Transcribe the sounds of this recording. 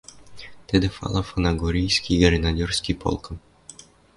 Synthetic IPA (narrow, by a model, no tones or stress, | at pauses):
t̪ed̪ɘ̆fɑ̰lˠafonaɡoɾʲijsʲkʲiɡɾʲenad̪ʲorsʲkʲipo̰lˠkɤ̆m